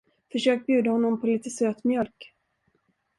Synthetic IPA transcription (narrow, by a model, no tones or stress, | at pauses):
fœʂøːk̚t̪̚bjʉ̟ːd̪ahɔnːɔmpʰɔliːt̪əsøːt̪mjœlk